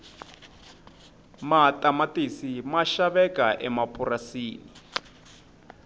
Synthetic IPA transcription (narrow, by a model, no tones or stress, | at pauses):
matʼamatisimaʃaβɛkaʔɛmapʰʼurasiːni